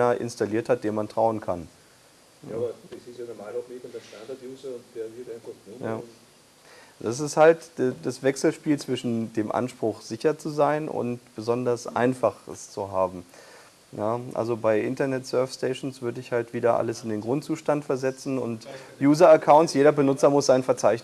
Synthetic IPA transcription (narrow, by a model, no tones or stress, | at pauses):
ɐʔɪ̰nstaliːɐthat̚d̥eːɐnmantʁ̥aʊənkʰan | ɐ̥sisɛnəmaɪnmekʊntɐʃtandɐtjuːzɐʊntv̥eːɐiːdɐnʊjaː | d̥as̬ɪsthaltd̥dasv̥ɛksl̩ʃpiːlt͡sv̥ɪʃn̩deːmʔa̰nʃpʁ̥ʊxz̥ɪçɐt͡suzaɪnʔʊ̰ntb̥əzɔndɐsʔa̰ɪnfaχɛ̰st͡suɦaːbm̩ | jaːʔa̰lzobaɪʔɪntɐnɛtsœɐfsteɪʃn̩sv̥ʏɐdəɪçhaltv̥iːdɐʔa̰ləsɪndeːnɡʁʊntt͡suːʃtantfɛɐzɛt͡sn̩ʊ̰ntjuːzɐəɐkʰaʊntsjeːɾɐbənʊt͡sɐmʊsz̥aɪnfɛɐt͡saɪçn